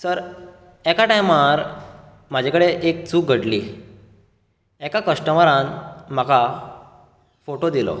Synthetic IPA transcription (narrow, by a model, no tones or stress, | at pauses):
səɾ | ɛkaʈajmaɾ | m̤ad͡ʑʱakəɽeʔek̚t͡suːk̚ɡʱəɽli | ɛkakəʂʈəməɾãnm̤aka | foʈod̪ilɔ̰